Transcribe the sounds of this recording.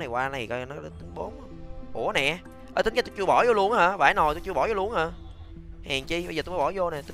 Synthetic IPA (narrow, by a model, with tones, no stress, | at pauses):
na˨˩jkwaː˧na˨˩jkɔ˧nɔ˨˦˧t̪ï˨˦ŋ̟ɓo˨˦ŋ͡mɓu˧˩ənɛ˨˩ʔ | ʔəː˧˩t̪ï˨˦ŋt͡ɕa˦t̪t͡ɕɨ˧əɓɔ˧˩zo˧lu˧ənhəː˧˩vaː˧˨˩jno˨˩jt̪u˧wt͡ɕɨ˧ə˩ɓɔ˧˩˦o˧lu˧ənhəː˧˩ | hɛː˨˩ŋt͡ɕi˧ɓzːt̪u˧mː˨˦ɓɔ˧˩˦zo˧nɛ˨˩t̪i˨˦